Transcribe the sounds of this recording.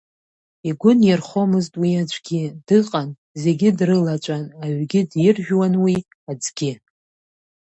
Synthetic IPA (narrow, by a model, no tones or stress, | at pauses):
iɡʷʊnjɪrχo̞mɨztʼwiad͡ʒʷʰʼɡʲidɨqʼan | ze̞ɡʲɪdrɨlat͡ʃʷʼanaɥɡʲɪdjɪrʒᶣwanwi | ad͡zɡʲɪ